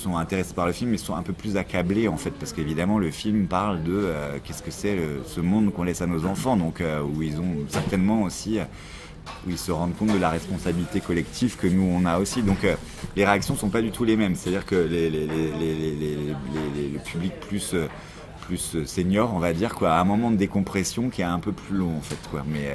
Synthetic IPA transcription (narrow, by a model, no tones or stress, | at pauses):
sɔ̃ɛ̃t̪eʁese̥paʁləfilmːɛsɔ̃ɛ̃pøplyzakableɑ̃fɛt̪̚paʁsə̥kevid̪amɑ̃ləfilmpaʁld̪əøkʲɛskəsɛləsəmɔ̃d̪kɔ̃lɛsanozɑ̃fɑ̃d̪ɔ̃køuilzɔ̃sɛʁt̪ɛnmɑ̃osiø | uilsəʁɑ̃d̪kɔ̃t̪̚d̪əlaʁɛspɔ̃sabilit̪ekɔlɛkt̪ʰivkənuɔ̃naosid̪ɔ̃kø | leʁeaksjɔ̃sɔ̃pad̪yt̪ʰulemɛmse̥t̪ad̪iʁkəleleleleleleeleleləpʰyblik̚plysø | plysøseɲjɔʁɔ̃vad̪iʁkwaɛ̃mɔmɑ̃d̪əd̪ekɔ̃pχɛsjɔ̃kʲiɛɛ̃pøplylɔ̃ɑ̃fɛt̪kwamɛ